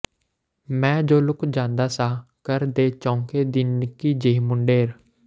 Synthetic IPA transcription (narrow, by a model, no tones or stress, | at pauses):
mɛ̃ːd͡ʒoːlʊkd͡ʒãːnd̪aːsaːkəɾd̪eːt͡ʃɔ̃ːŋkeːd̪iːnɪkiːd͡ʒeimʊɳɖeːɾ